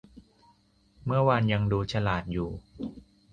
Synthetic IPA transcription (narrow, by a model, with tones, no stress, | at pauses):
mɯ˥˩ɐəwa˧nja˧ŋduː˧t͡ɕʰa˧laː˨˩t̪̚juː˨˩